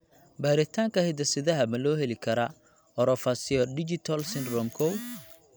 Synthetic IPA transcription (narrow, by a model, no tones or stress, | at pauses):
baːɾɪt̪ʰaːŋkʰɐhɛd̪ɐsɪðɐɦɐmɐlɔːɦɛlɪkʰɐɾɐ | ɔɾɔfasiɔdɪd͡ʒɪt̪ʰɐlsɪnrɔmkʰɔw